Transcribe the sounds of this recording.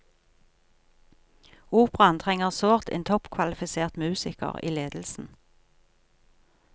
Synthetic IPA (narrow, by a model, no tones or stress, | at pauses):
uːpʁɑnt̪ʰʁɛŋəʁsoːʁt̪ḛːnt̪ʰɔpkʰʋɑlɪfɪseːʁt̪mʉːsɪkə̰ʁḭːleːd̪l̩sn̩